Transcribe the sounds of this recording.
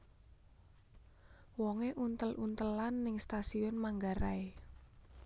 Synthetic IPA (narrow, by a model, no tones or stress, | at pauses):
wɔŋeʔunt̪əlʔunt̪əlanːɪŋst̪asiʊnmaŋɡaɾae